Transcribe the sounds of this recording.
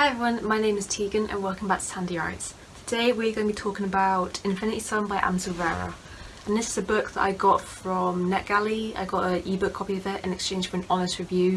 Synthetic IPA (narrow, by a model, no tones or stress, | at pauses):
aɪɛvɹiwʌ̃nmaɪnẽɪ̃mɪz̥tʰiːɡə̃nʔə̰̃nwɜˑkɪ̃ŋbaɪtə̥sʰãndia̰ɪts | tʰədeɪwɪəɡə̃ʊnbitʰɔˑkɪ̃ŋəbaʊtɪ̃ɱfɪñɪtisʌ̃nbaɪʔã̰msəlˠvɛːɹə̰ | ə̃nðɪsɪzəbʊk̚ðə̰ʔa̰ɪɡɒtfɹə̃mnɛʔɡ̥alia̰ɪɡɒtəiːbʊkʰːɒpiɪðəʔɪ̰̃nɛkst͡ʃẽɪ̃nʒ̥fəɹə̃nɒnɪstɹɪvjʉː